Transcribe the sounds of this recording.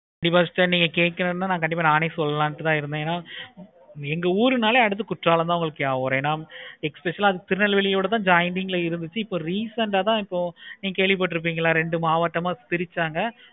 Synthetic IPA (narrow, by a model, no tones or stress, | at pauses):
kɐɳɖɪp̬ːaːʈːɐniːŋɡɐkeːʈ̚kːɐɾɐnːaːnaːkɐɳɖɪpːaːnaːnesɔlːɐlaːnʈːɯt̪ãːɪɾɯnd̪ẽeːnːaː | ɛŋɡɐuːɾɯnaːleːɐɽɯt̪ːɯkʊʈraːlɐmt̪ãːʋʊŋɡɐɭɯkːɯjaːʋoːɾeːnaːɛkspɛʂɐlaːðɯt̪ɪɾɯnɐlʋɛɭɪjoːɽɐt̪̬ãːd͡ʒɐjnɖɪŋɡɪlɐɪɾɯnd̪ɯt͡ʃːɯɪpːoːɾiːsɐnɖaːt̪ãːɪpːoːniːŋɡɐkeːɭʋɪp̬ːɐːʈːɯɾɯp̬ːiːŋɡɐɪlːaːɾɛɳɖɯmaːʋɐʈːɐmaːt̪ɪɾɪt͡ʃːaːŋɡɐ